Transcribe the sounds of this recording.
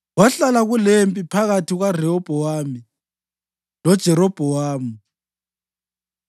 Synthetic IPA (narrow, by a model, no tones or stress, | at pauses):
waɬalaɣulempʼipʰaɣatʰiɣwarɛɔb̥ʱɔwaːmi | lɔd̥ʒ̥ʱɛɾɔb̥ʱɔwaːmi